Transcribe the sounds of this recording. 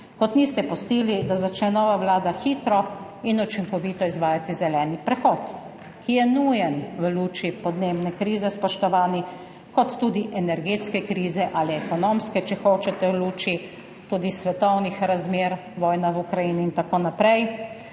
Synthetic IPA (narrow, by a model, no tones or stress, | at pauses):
kɔt̪niːst̪ɛpɔst̪iːlid̪azat͡ʃnɛnɔːʋaʋlaːd̪axiːt̪ɾɔ | inut͡ʃiŋkɔʋiːt̪ɔizʋaːjat̪izɛlɛːnipɾɛxɔːt̪ | kijɛnujɛnʋəluːt͡ʃipɔd̪neːbnɛkɾiːzɛspɔʃt̪ɔʋaːni | kɔt̪ːuːd̪iʔɛnɛɾɡeːt̪skɛkɾiːzɛʔaliɛkɔnoːmskɛt͡ʃɛxoːt͡ʃɛt̪ɛwluːt͡ʃi | t̪uːd̪isʋɛt̪ɔwnixɾazmeːɾʋɔːjnaʋukɾajiːniːnt̪akoːnapɾɛj